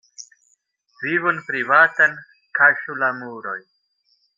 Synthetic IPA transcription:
vivunpɾivaːt̪an | kʰaʃulamuɾo̰j

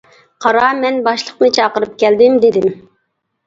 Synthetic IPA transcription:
qʰɑɾɑmɛnbɑʃlˠəqmɨt͡ʃʰɑqəɾɨp̚kʲɛld̪ɪmd̪ɪd̪ɪm

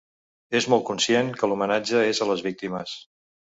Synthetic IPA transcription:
ezmɔlˠt̪̚kunsjeŋkəlumənad͡ʒəezələzβik̚t̪iməs

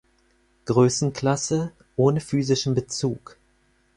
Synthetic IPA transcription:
ɡ̥ʁøːsn̩kʰl̥asə | ʔoːnəfyːzɪʃn̩bət͡suːk

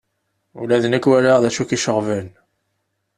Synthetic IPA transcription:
ṵlæðənækːwæləʁðæʃukiʃəʁvən

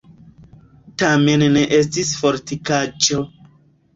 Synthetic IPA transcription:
tamenneʔes̬tisfoɾtikad͡ʒo

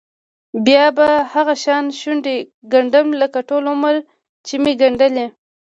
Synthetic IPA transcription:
bjɑbahaɣaʃɑnʃuɳɖe | ɡaɳɖəmləkaʈolʊməɾ | t͡ʃimeɡaɳɖəle

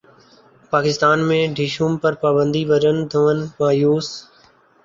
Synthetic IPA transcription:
paːkɪst̪aːnmẽːɖʱiːʃuːmpəɾpaːbə̃nd̪iːʋəɾən̆d̪ʱəʋənɪ̆maːjuːs

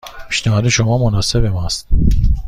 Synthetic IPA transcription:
pʰi̥ʃnæɦɒːd̪eʃomɒːmonɒːsebemɒst̪

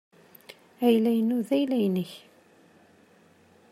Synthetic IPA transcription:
æjlæjnuðæjlæjnəç

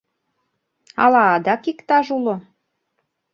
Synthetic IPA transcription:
ɑ̰lɑːd̪ɑkikt̪ɑʒulo

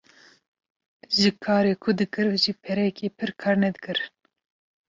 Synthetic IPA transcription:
ʒɨkʰɑːɾeːkʰʊd̪ɨkɨɾʒipʰɛɾɛkʰeːpʰɨɾkʰɑːɾnɛd̪ɨkɨɾ

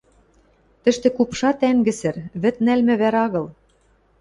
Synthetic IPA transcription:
t̪ɘ̆ʃt̪ĕkupʃɑt̪æŋɡɘ̆sɘ̆rβɘ̆t̪̚nælmɘ̆βæɾɑɣɤ̆l

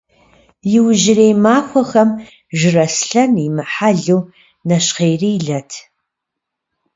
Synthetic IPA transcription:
jɪwʒɪrejmaːxʷɔxɐm | ʒɪrɐsɬɐnimɨħaɮuw | nɐɕqeːjriːɮɐtʰ

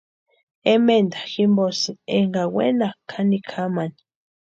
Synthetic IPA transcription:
emend̪ḁximbosieŋɡawḛnakʰanikʰamani

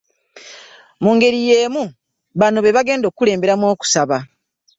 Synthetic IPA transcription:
muːŋɡe̞ɾijeːmu | βano̞βe̞βaɡe̞ːndo̞ːkːule̞ːmbe̞ɾamwo̞ːku̥saβa

